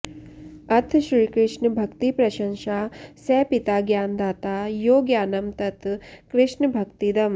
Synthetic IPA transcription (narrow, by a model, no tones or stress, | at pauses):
ɐt̪ʰʃɾiːkɾɪʂɳbʱɐkt̪ipɾɐʃɐŋʃaːsɛːpit̪aːɡjaːnd̪aːt̪aːjoːɡjaːnɐmt̪ɐt̪kɾɪʂɳbʱɐkt̪id̪ɐm